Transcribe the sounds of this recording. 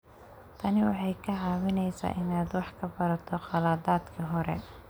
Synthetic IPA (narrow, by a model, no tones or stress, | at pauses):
t̪ʰɐnɪwɑ̰ħɑjkʰɐʕɑːwɪnɛjsa̰ːʔɪnaːd̪wɑħkʰɐbɐɾɐt̪ʰɔqɑlaːd̪aːd̪kʰiːɦɔɾɛ̰